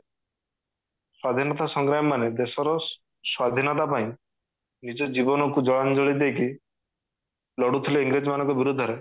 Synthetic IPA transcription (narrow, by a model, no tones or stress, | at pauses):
swad̪ʱinɔt̪asɔŋɡɾamɔmaned̪esɔɾɔ | swad̪ʱinɔt̪apaĩ | nid͡ʒɔd͡ʒibɔnɔkud͡ʒɔɭand͡ʒɔɭid̪eki | lɔɽut̪ʰileiŋɡɾed͡ʒmanɔŋkɔbiɾud̪ʱːɔɾe